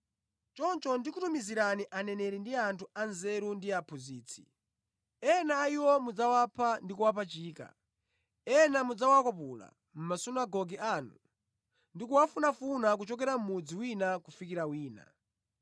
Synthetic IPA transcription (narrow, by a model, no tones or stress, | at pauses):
t͡ʃɔnt͡ʃɔndikutumiziɾaniʔanɛnɛɾɛndiantʰuanzɛɾundiapʰuziːt͡sʰi̥̰ | ɛnaiwɔmud͡zawapʰandikuwapʰat͡ʃiːka̰ | ɛnamud͡zawakɔpula̰ | m̩masunaɡɔɡianu | ndikuwafunafunak̬ut͡ʃɔk̬ɛɾam̩mud͡ziwinakufikiɾawiːna̰